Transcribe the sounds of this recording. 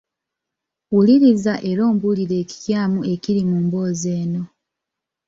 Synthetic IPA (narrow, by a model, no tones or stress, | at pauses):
wuliɾizaʔe̞ɾo̞ːmbuliɾe̞ːci̥tjaːmue̞ciɾimuːmbo̞ːze̞ːno̞